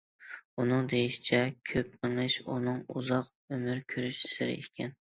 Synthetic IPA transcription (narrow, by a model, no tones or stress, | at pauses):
unɨŋd̪ejiʃi̥t͡ʃʰɛkʲʰøp̚mɪŋlˠɪʃunɨŋṵzɑq | ømyɾkʲʰøɾyʃɪ̥sɪɾɪ̰ḛkʲʰɛn